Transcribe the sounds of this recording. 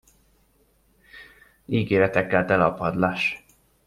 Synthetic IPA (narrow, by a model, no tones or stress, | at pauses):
iːɡeːɾɛt̪ɛkːɛlt̪ɛlɒpɒd̪laːʃ